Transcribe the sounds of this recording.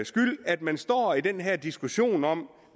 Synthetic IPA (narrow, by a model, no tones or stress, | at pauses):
sɡ̥yl̰æd̥mænsd̥ɒ̰ːid̥enɦɛɐ̰d̥isɡ̥uɕo̝̰ːnɒ̽m̰